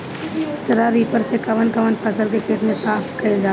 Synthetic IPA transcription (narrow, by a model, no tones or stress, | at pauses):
sʈəɾaɾiːpəɾsekɐʋənkɐʋənpʰɐsəlkekʰeːʈmẽsaːfʰkɐed͡ʒaː